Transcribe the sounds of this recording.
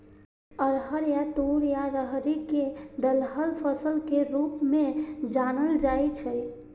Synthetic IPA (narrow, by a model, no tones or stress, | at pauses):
əɾɦəɾjat̪uɾjaɾəɦɾiked̪əlɦəlpʰəsəlkeɾuːpmẽd͡ʒaːnəld͡ʒajt͡ʃʰə